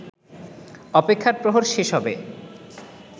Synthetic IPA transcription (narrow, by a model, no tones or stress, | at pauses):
ɔpekʰːaɾpɾoɦoɾʃeʃɦɔbe